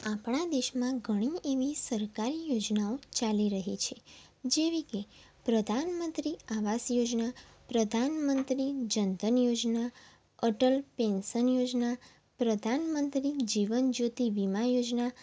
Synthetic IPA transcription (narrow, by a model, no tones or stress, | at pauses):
apɳad̪eʃmãɡʱəɽ̃ieʋisəɾkaɾijod͡ʒnaot͡ʃaliɾəɦit͡ʃʰe | d͡ʒeʋike | pɾəd̪ʱanmənt̪ɾiaʋasjod͡ʒna | pɾəd̪ʱanmənt̪ɾid͡ʒənd̪ʱənjod͡ʒna | əʈəlpensənjod͡ʒna | pɾəd̪ʱanmənt̪ɾid͡ʒiʋənd͡ʒot̪iʋimãjod͡ʒna